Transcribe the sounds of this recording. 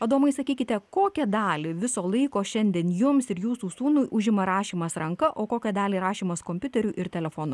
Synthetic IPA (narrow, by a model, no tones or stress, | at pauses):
ɐd̪oːmɐɪsɐkʲiːkʲɪt̪ʲɛkoːkʲɛd̪ɑːlʲɪʋʲɪsoːlˠɐɪkoːʃʲɛnʲd̪ʲiɛnjʊmsɪɾjuːsuːsuːnuːjʔʊʒʲɪmɐɾɑːʃʲiːmɐsɾɐŋkɐʔoːkoːkʲɛd̪ɑːlʲiːɾɑːʃʲiːmɐskoːmʲpʲʊt̪ʲɛɾʲuʔɪɾt̪ʲɛlʲɛfoːnʊ